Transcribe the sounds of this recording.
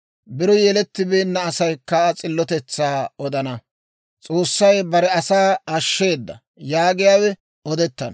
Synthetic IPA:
bɪɾɔjɛlɛt̪ːɪbeːnːɐːsɐjkːɐt͡sʼɪlːɔt̪ɛt͡sːaːɔd̪ɐnɐ | t͡sʼo̞ːsːɐjbɐɾɛɐsaːɐʃːe̞ːd̪ːɐ̰ | jaːɡɪjaːwɛ | ɔd̪ɛt̪ːɐn

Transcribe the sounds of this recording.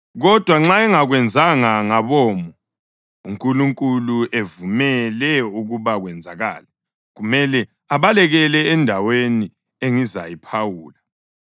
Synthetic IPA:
ɣɔd̥ʱwaŋ͡ǁaɛŋaɣwɛnd͡zʱaŋaŋaβɔːmɔ | uŋkʼuluŋkʼuluʔevumɛlɛuɣuβaɣwɛnd͡zʱaɣa̰ːla | ɣumɛlɛ | aβalɛɣɛlɛːndʱaweni | eŋiza̰jipʰawuːla

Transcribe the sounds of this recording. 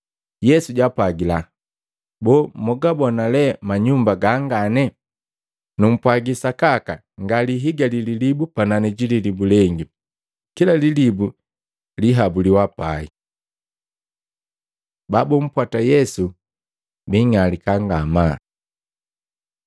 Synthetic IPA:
jɛsuɟwapwaɡila | bɔːmɔɡabɔnalɛmaɲumbaɡaŋɡanɛ | num̩pwaɡisakaka | ŋɡaliɦiɡalililibupananɛɟililibulɛŋɡi | kilalilibu | liɦabuliwapai | babɔm̩pwatajɛsu | biŋalikaŋɡama

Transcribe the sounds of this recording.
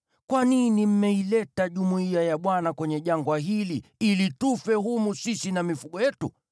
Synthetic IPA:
kwaninim̩mɛilɛtaʄumuiajaɓwanakwɛɲɛʄaŋɡwaɦiliilitufɛɦumusisinamifuɠɔjɛtṵ

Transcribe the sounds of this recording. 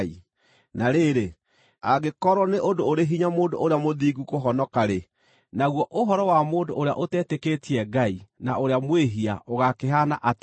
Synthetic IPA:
i | naɾeːɾe | aɣekɔɾɔneʔondooɾeɦiɲamoːndo̰oɾeamoðiːɡukoɦɔnɔkaɾe | naɣwɔʔoɦɔɾɔwamoːndooɾea̰ʔotɛteketiɛɡainaoɾeamweɦia̰oɣakeɦanaʔat

